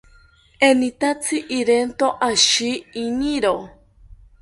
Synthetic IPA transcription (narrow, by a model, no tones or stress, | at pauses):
enit̪at͡sʰiʔiɾent̪oʔaʃiiɲiɾo